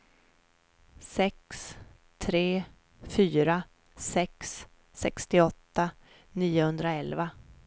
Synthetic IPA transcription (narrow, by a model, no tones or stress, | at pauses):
sɛks | t̪ʰɾeː | fyːɾa | sɛks | sɛkst̪ɪɔt̪ːa | niːʊhɵnd̪ɾaɛlva